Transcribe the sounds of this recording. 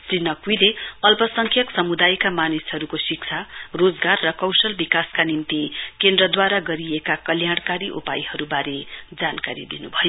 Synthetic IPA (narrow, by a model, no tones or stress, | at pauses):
srinʌkujleʌlpʌsʌŋkʰjʌksʌmud̪ajkamanishʌɾukosik̚t͡sʰarod͡zɡarːʌkʌwsʌlbikaskanimt̪ikend̪rʌd̪waɾaɡʌɾiekakʌljaɽ̃kaɾiʔṵpajhʌɾubaɾed͡zankaɾḭd̪inubʱʌjo